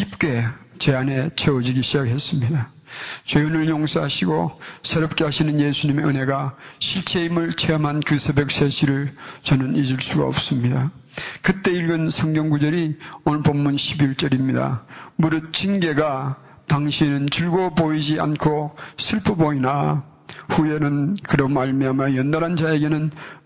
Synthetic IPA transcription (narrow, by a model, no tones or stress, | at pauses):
kip̚k͈e̞t͡ɕe̞ane̞t͡ɕʰeʌd͡ʑiɡiɕʰid͡ʑakɦe̞s͈ɯmɲida | t͡ɕejonɯɭjoŋs͈ʰaɦaɕʰiɡosʰeɾʌp̚k͈e̞ɦaɕʰinɯnjesʰuɲimeɯne̞ɡaɕʰiɭt͡ɕʰe̞imɯɭt͡ɕʰeamankɯsʰebek̚s͈ʰeɕʰiɾɯɭt͡ɕʌnɯnid͡ʑɯɭs͈uɡa̰ʌ̰p̚s͈ɯmɲidakɯt͈e̞iɭɡɯnsʰʌŋɡjʌŋɡud͡ʑʌɾionɯpomːunɕʰibiɭt͡ɕ͈ʌɾimɲida̰muɾɯt͡ɕinɡe̞ɡa | t̪aŋɕʰinɯnt͡ɕɯɭɡopoid͡ʑia̰nkʰosʰɯɭpʰɯboina | ɸuje̞nɯnkɯɾʌmaɭmiamjʌjʌndaɾɦand͡ʑaeɡe̞nɯn